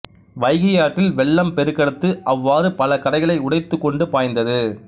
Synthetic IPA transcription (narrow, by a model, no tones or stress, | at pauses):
ʋɐɪɣɐjaːʈːɪlʋɛɭːɐmpɛɾɯkːɐɽɯt̪ːɯʔɐʋːaːɾɯpɐlɐkɐɾɐɪɣɐɭɐɪʊɽɐɪt̪ːɯkːɔɳɖɯpaːjnd̪ɐðɯ